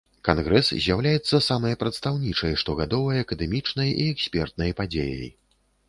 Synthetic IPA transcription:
kanɣɾɛszʲjawlʲajɛt̪sːɐsamɐjɐpɾɐt̪st̪awnʲit͡ʂɐjʂt̪ɔɣad̪ɔvɐjɐɐkɐd̪ɛmʲit͡ʂnɐjʔḭɛksʲpʲɛrt̪̚nɐjpad͡zʲḛjɐ̰j

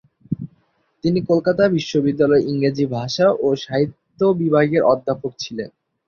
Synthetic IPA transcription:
t̪inikolkat̪abiʃːobid̪ːalɔeʔiŋɡɾed͡ʑibʱaʃaʔoʃaɦit̪ːobibʱaɡeɾʔɔd̪ʱːapok̚t͡ɕʰilḛn

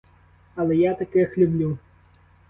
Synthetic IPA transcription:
ɐlˠɛjat̪akɛjɐxlʲublʲu

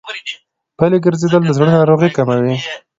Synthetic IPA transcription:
paleɡəɾzed̪əld̪əzɽənɑɾoɣikamawi

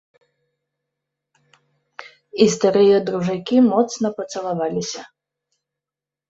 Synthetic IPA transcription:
ist̪aɾɨjɐd̪ɾuʐakʲimɔt̪snɐpɐt̪sɐlˠavalʲisʲɐ

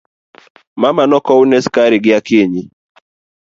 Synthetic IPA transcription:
mamanɔkɔunɛskaɾiɡɪakeɲi

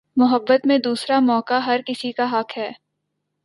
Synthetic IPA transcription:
mʊɦəbːət̪mẽd̪uːsɾamɔːkaɦɐɾkɪsikaɦɐkɦɛː

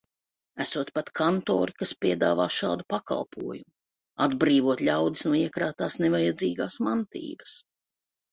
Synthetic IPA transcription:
æsuɔt̪pat̪kʰant̪ɔ̰ːɾikaspiɛd̪a̰ːvaːʃa̰ːd̪upaka̰lˠpʰṵɔjumu | ad̪bɾiːvuɔt̪lʲawd̪isnuɔiɛkɾaːt̪aːsnevajad̪ziːɡaːsmant̪ḭːbɐs

